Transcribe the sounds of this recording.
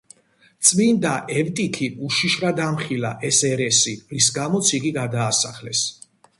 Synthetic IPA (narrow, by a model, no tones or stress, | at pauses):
t̪sʼmind̪aʔɛvt̪ʼikʰiuʃiʃvɾad̪amχilaʔɛsɛɾɛsiɾisɡamɔt̪sʰiɡiɡad̪aːsaχlɛs